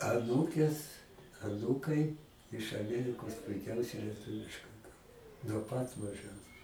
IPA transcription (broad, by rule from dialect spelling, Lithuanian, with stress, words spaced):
ɐˈnuːkʲeːs ɐˈnuːkɐɪ ɪʃ ɐˈmʲiɛrʲɪkoːs pʊɪˈkʲɛʊsʲɛɪ lʲiɛˈtʊʋʲɪʃkɐɪ ˈkɐlˠ nuɔ ˈpɐt mɐˈʒʲɛns